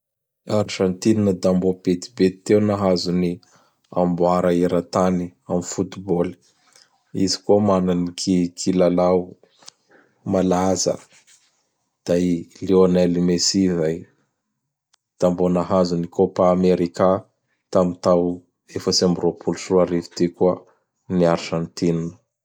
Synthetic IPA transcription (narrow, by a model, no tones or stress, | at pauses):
aɾʒant̪ininəd̪ambopet̪i̥bet̪ːewnaɦazuni | a̰mbuaɾəeɾat̪aniamifut̪iboli̥ | izi̥kuəmananikʰikʰilalau | malazə̰ | d̪̥ajlionɛlimesizaj | t̪ambonaɦazunikopaːmeɾika | t̪amit̪aw | efəsiambropʰulusuaɾivi̥t̪ikuə | niaɾʒãnt̪innə